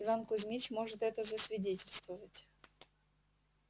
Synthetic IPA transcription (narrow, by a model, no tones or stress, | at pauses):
ɪvankʊzʲmʲit͡ɕmo̞ʐɨt̪ɛt̪əzəsvʲɪdʲetʲɪlʲst̪vəvətʲ